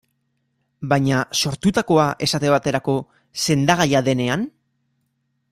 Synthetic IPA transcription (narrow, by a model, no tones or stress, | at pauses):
bajɲaso̞ɾt̪ut̪ako̞aʔe̞sat̪eβat̪e̞ɾako̞ | se̞nd̪aɣ̞ajaðe̞ne̞an